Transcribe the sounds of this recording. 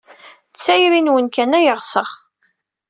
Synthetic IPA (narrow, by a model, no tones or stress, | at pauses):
t͡sːæjɾinwənkænæjəʁsəʁ